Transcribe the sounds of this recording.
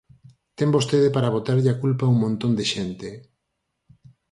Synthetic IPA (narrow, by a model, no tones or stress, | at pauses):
t̪ɛmbost̪eðɪpaɾaβot̪aɾʎɪakulpauŋmõnt̪ond̪eʃɛnt̪ɪ